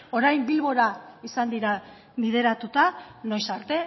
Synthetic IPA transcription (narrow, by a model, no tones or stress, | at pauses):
o̞ɾajmbilβo̞ɾaisand̪iɾa | βið̞e̞ɾat̪ut̪ano̞jsaɾt̪e̞